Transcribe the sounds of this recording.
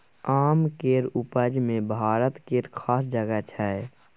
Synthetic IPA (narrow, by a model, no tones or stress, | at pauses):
aːmkeːɾʊpəd͡ʒmẽbʱaːɾət̪keːɾkʰaːsd͡ʒəɡət͡ʃʰɛɛ